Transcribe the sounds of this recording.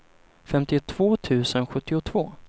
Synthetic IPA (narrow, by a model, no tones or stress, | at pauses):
fɛmt̪ɪt̪ʰv̥oːt̪ʰʉ̟ːsənɧɵt̪ːɪʊt̪ʰv̥oː